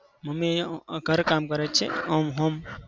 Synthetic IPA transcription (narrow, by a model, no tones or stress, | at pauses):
məmeɡʱəɾkamkəɾɛt͡ʃʰḛɦəmɦəm